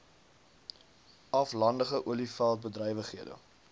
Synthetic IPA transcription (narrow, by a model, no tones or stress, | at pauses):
ɐflɐndəχəʔuəlifælˠt̚bədɾœjvəχiədə̰